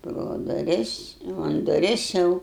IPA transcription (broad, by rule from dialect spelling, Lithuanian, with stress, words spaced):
proː dʊˈrʲɪs jɛʊ ɐn dʊˈrʲɪs ˈjɛʊ